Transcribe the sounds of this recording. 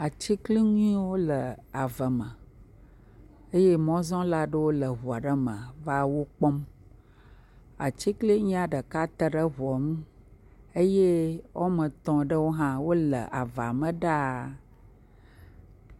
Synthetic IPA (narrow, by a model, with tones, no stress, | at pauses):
a˨t͡ɕi˦kli˦ɲũ˦ĩ˦wo˦lə˨a˨və˨mə̃˨ | e˦je˦mɔ̃˦zɔ̃˦la˦ɖə˦wo˦lə˨ɦu˨a˨ɖə˦mə̃˨va˦wo˦k͡pɔ˦m | a̰˨t͡ɕi˦kli˦ɲĩ˦a˨ɖə˨ka˦t̪ə˦ɖə˦ɦu˨ɔ˨mũ˦ | e˦je˦wʔo˦mə̃˨t̪ɔ̃˨ɖə˦wo˦ɦã˦wo˦lə̰˨ʔa˨va˨mə̃˨ɖa˦